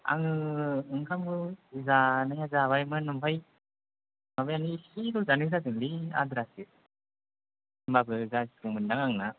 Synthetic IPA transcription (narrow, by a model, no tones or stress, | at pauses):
a̰ŋɯɯŋkʰamɡɯzanaŋazaβajmɯnɯmpʰaj | mabajanisiɾuzanɯɾadɯŋbia̰d̪ɾasi | mbabɯzazkɯŋmɯndaŋaŋna